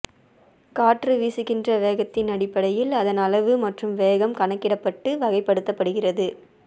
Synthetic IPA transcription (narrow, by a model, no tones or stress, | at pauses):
kaːʈrɯʋiːsɯɣɪndrɐʋeːɣɐt̪ːɪnɐɽɪpːɐɽɐjɪlɐðɐnɐlɐʋɯmɐʈrɯmʋeːɣɐmkɐɳɐkːɪɽɐpːɐʈːɯʋɐɣɐɪpːɐɽɯt̪ːɐpːɐɽɯɣɪrɐðɯ